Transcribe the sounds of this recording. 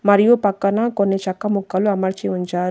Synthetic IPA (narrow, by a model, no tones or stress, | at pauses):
mɐɾijupɐkːɐnɐkonːit͡ʃɐkːɐmukːɐluɐmɐɾt͡ʃiuɲt͡ʃaːɾ